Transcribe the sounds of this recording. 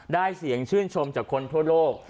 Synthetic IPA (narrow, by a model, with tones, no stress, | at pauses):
daː˥˩jsi˩˦əŋt͡ɕʰɯː˥˩nt͡ɕʰo˧mt͡ɕaː˨˩kʰːo˧nt̪ʰu˥˩ɐloː˥˩k̚